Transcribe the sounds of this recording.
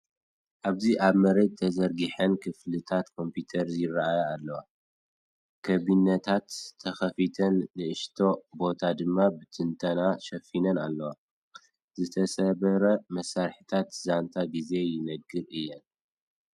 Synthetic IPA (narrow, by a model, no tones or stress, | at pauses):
ʔaβziʔaβmɐɾed̪̚t̪ʰɐzɐɾɡiħɐnkʰɨflɨt̪ʰat̪kʰo̞mpʰut̪ʰɐɾzjɪrːaʔajaalːɐwa | kʰɐβinːɐt̪ʰat̪ʰːɐxɐfit̪ʰɐnlɨʔɨʃt̪ʰo̞bo̞t̪ʰad̪ɨmːabɨt̪ʰɨnt̪ʰɐnaʃɐfinɐnalːɐwa | zɨt̪ʰɐsɐβɐɾɐmɐsːaɾħit̪ʰat̪zant̪ʰaɡize̞jɪnɐɡɨɾʔɨjːɛn